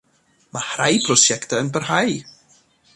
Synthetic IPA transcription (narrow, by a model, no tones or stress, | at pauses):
mahrajpʰrɔsjɛktaənbərhaj